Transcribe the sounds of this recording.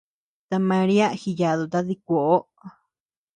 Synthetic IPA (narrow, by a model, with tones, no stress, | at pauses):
t̪a˧mã˧ɾi˦a˦xi˧ja˨ðu˧˨t̪a˧ði˧k̚ʷo˨ʔo˦